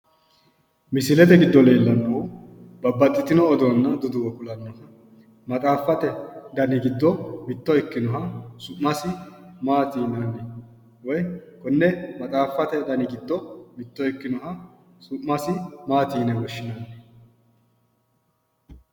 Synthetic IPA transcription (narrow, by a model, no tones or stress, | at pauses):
mɪsɪlɛt̪ɛɡɪd̪ːɔle̞ːlːɐnːobɐbːɐt̪ʼːɪt̪ɪnɔːd̪ɔɐnːɐd̪ʊd̪ʊwɔkʊlɐnːɔhɐ | mɐt̪ʼaːfɐt̪ɛd̪ɐnɪɡɪd̪ːɔmɪt̪ːɔɛkːɪnɔɦɐsʊʔːɐsɪmaːt̪iːnanːɛ | wɔjkɔnːɛmɐt̪ʼaːfɐt̪ɛd̪ɐnɪɡɪd̪ːɔmɪt̪ːɔɛkːɪnɔɦɐ | sʊʔːɐsɪmaːt̪iːnɛwɔʃːɪnaːnːɛ